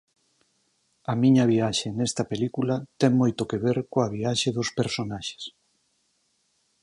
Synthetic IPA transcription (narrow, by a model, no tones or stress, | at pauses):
ɐmiɲɐβ̞iaʃenest̪ɐpelikulɐt̪ɛŋmojt̪okeβeɾkoaβ̞iaʃeðospeɾsonaʃe̥s